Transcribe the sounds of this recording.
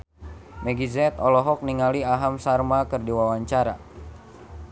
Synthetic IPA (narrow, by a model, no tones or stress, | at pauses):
mɛɡizɛt̪ɔlɔɦɔk̚niŋaliaɦamsarmakɨrdiwawaɲt͡ʃaɾa̰